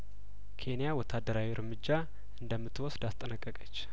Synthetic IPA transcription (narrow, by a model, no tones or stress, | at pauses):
kʰe̞nijawɔt̪ʰːad̪ːəɾawiɾmɨd͡ʒːa | ʔɨnd̪əmːɨt̪ːwɔsd̪ast̪ʼːənəkʼːəkʼət͡ʃː